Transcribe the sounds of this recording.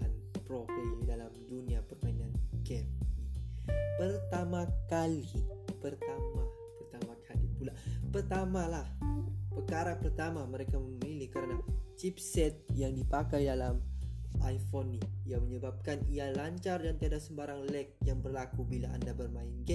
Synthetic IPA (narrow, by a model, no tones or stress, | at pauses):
anpɾofilidalamduniapərmainanɡɛm̚ipərt̪amakalipərt̪ama | pərt̪amakʰalḭpulapərt̪amalahpəkaɾapərt̪amaməɾekaməmilɪhkəɾənat͡ʃipsɛt̪̚jaŋdipakajdalamajfoniːjaməɲəbap̚kanialaɲt͡ʃardant̪iadasəmbaɾaŋlɛk̚jaŋbərlakubilaa̰ndabərmaɪnɡɛ